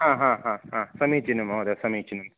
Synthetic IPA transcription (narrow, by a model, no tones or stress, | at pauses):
ɦãːɦãːɦãːhãːsɐmit͡ʃinumoːd̪ɐsɐmiːt͡ʃːinum